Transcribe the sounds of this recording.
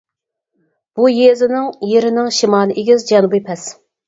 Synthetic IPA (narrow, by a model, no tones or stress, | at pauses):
b̥ujezɪnɪŋjeɾɪnɪŋʃimɑːlˠɨʔeɡʲɪzd͡ʒɛnubɨpʰɛs